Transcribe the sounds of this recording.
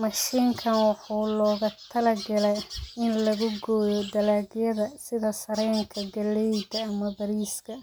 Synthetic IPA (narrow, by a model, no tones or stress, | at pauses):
mɑʃiːŋkʰɐnwɑħuːlɔːɣɐt̪ʰɐlɐɡɐlɛjɪnlɐɣʊɡɔːjɔd̪ɐlaːɡjɐðɐsɪðɐsɐɾɛːŋkʰɐɡɐlɛjd̪ɐːmɐbɐɾiːskʰɐ